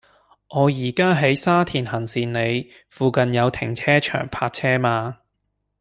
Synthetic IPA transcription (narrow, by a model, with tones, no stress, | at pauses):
ʔɔː˨˧jiː˨˩kaː˥ɦe˨˥jsaː˥t̪ʰiː˨˩nɦɐ˨˩nsiː˨nne˨˧j | fuː˨˧kɐ˨njɐ˨˧wt̪ʰɪ˨˩ŋt͡sʰɛː˥t͡ʃʰœ̰ː˨˩ŋpʰaː˧t̚t͡sʰɛː˥maː˧